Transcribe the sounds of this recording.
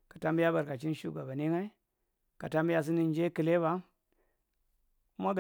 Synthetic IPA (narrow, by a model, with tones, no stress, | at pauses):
kḁ˨ta˦mbi˦ja˦ba˨ɾka˨t͡ʃi˦nʃu˦ɡa˨ba˨ni˦ŋa˦i˦ | ka˨ta˦mbi˦ja˨s̬i˦ni˨n˦d͡ʒe˦ki˨le˦βa˦ | ku˦ma˦ɡ